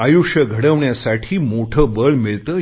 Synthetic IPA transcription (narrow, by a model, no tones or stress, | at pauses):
ajuʂjəɡʱəɽəʋɳjasaʈʰiːmoʈʰəbəɭmɪɭt̪ə